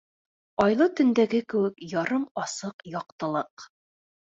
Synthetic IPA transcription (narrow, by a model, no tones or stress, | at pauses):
ɒjlˠɤt̪ɵ̆nd̪æɡɘkɘ̆wɘ̆kjɒɾɤmɑsɤqjɒqt̪ɤ̆lˠɤq